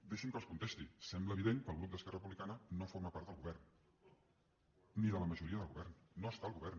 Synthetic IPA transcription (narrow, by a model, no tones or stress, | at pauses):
d̪eʃəmkəlˠskunt̪est̪isɛmbləːβiðeŋkəːlˠɣɾup̚d̪əskɛrəəp̬uβlikanənofoɾməpaɾt̪d̪əlˠɣuβɛrn | niðələməʒuɾiəðəlˠɣuβɛrnːoəst̪aəlˠɣuβɛɾn